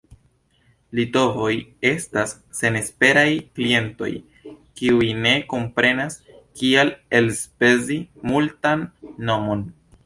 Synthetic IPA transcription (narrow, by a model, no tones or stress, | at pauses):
lito̞vo̞je̞stasːe̞ne̞spe̞ɾajklie̞nto̞̰j | kiujne̞ko̞mpɾe̞nas | kiale̞lspe̞zimultanːo̞mo̞n